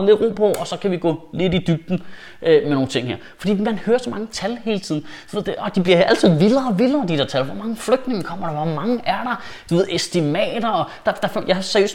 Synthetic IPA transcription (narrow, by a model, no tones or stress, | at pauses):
məle̝d̥ʁo̰mpʰɒ̽ʔɒ̽sɒ̽kʰæʋiɡ̥ɔ̰ːle̝d̥id̥yb̥̚d̥n̩ | ømeno̝ːn̩t͡sʰe̝ŋ̰heɐ̰fɒd̥ḭːmænhøːɐsɒ̽mɑ̈ŋət͡sʰælhe̝ːl̩ət͡sʰið̰ˠn̩d̥u̥ʋe̝ð̰ˠd̥eʔɒ̽d̥ib̥liɐæl̰t͡sʰið̰ˠʋiðˠɐɒʋilˠɐd̥id̥ḛɐ̰t͡sʰælʋɒmɑ̈ŋəfløɡ̥̚d̥neŋəkʰɒ̽m̰ɐɾ̥ɑʋɒmɑ̈ŋəʔæɐɾ̥ɑ̈ | d̥uʋe̝ð̩ˠesd̥imɛ̰ːd̥ɐɒd̥ɑ̈d̥ɑ̈fjaɪsæɐøs